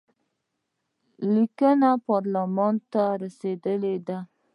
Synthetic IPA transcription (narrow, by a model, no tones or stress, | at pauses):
likənapɑɾlamɑnt̪aɾased̪əled̪a